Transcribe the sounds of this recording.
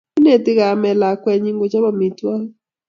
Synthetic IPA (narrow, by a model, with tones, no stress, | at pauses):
i˦ne˨t̪ɪ˦ɣa˨mɛ˨la˨kwɛ˨ɲi˦ŋɡo˨t͡ʃa˦ba˦mi˨twa˦